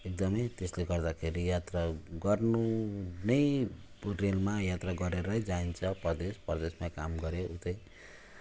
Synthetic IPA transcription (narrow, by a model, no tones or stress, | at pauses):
ek̚d̪ʌmʌjt̪esleɡʌrd̪akʰeɾijat̪raɡʌrnunʌj | relmajat̪raɡʌɾeɾʌjd͡zaint͡sʰʌpʌrd̪espʌrd̪esmakamɡʌɾeut̪ʌj